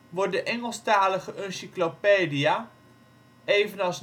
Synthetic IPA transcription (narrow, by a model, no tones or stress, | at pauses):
ʋɔt̚dəʔɛŋəlˠstaːləχəʔønsiklopedia | eːvənɑs